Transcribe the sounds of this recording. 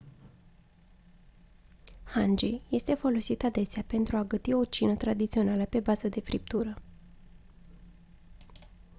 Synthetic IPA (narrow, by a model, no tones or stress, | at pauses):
hand͡ʒije̞st̪e̞fo̞lo̞sit̪ad̪e̞seape̞nt̪ɾuaɡət̪io̞t͡ʃinət̪ɾad̪it̪sio̞naləpe̞bazəd̪e̞fɾip̚t̪uɾə